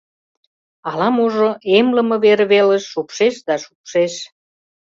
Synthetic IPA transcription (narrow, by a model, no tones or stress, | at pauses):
ɑlɑmuʒoemlə̆məβeɾβeləʃːupʃeʃd̪ɑʃu̥pʃeʃ